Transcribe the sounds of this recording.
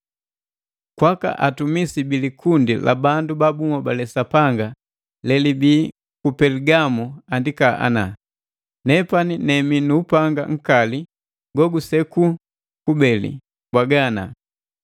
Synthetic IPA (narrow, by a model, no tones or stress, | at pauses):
kwaka̰ʔatumisibilikʰundḭla̰bandubabumɔbalɛsapaŋɡa | lɛlibiː | kupɛliɡamuandikaʔa̰na | nɛpaninɛminuːpaŋɡa̰ŋ̩kali | ɡɔɡusɛku | kubɛlḭ | bwaɡana